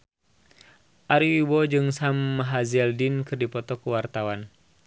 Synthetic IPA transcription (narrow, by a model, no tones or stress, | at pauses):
ʔaɾiwibɔd͡ʒɨŋsamːaɦazɛldinkɨrdipɔt̪ɔkuwart̪awan